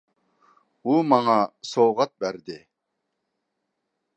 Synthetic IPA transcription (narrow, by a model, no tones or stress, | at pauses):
umɑŋɑsowʁɑt̪̚bæɾd̪ɪ